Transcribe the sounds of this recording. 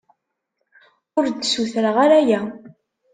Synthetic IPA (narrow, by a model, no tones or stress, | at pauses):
ʊɾd̪suθəɾəʁaɾæjæ